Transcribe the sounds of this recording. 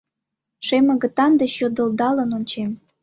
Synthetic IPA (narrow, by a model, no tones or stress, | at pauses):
ʃemə̆ɣə̆t̪ɑnd̪et͡ɕjod̪ə̆ld̪ɑlə̆nonʲt͡ɕem